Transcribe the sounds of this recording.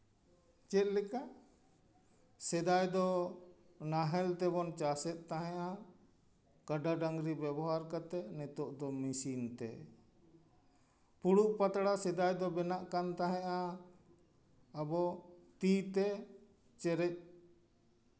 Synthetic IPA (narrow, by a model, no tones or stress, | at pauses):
t͡ʃɛt̪̚lɛka | sɛd̪ajd̪ɔ | naɦɛlt̪ɛbɔnt͡ʃasɛt̪̚t̪aɦɛ̃ʔa | kaɖaɖaŋɡɾibɛbɔɦaɾkat̪ɛnɛt̪ɔʔd̪ɔmisint̪ɛ̰ | puɽuʔpat̪ɽasɛd̪ajd̪ɔbɛnaʔkant̪aɦɛ̃ʔa | bɔt̪it̪ɛ | t͡ʃɛɾɛc̚